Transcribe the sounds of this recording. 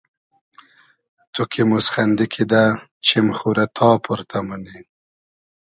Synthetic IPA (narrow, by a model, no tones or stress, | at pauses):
t̪ukʰimusxand̪ikʰid̪a | t͡ʃʰimχuɾat̪ʰɑːpʰuɾt̪ʰamani